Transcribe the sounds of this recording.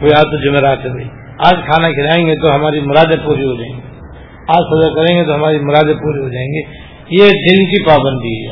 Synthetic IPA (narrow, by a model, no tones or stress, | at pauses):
koaːt̪od͡ʒʊmeɾaːt̪ɦoi | aːd͡ʒkʰaːnakʰɪlaːẽːŋɡet̪oɦɐmaːɾimʊɾaːd̪epuːɾiɦod͡ʒaːẽːŋɡi | aːd͡ʒsɐd̪əkɐɾẽːŋɡet̪oɦɐmaːɾimʊɾaːd̪epuːɾiɦod͡ʒaːẽːŋɡe | jed͡ʒɪlmkipaːbə̃nd̪ʱiɦɛ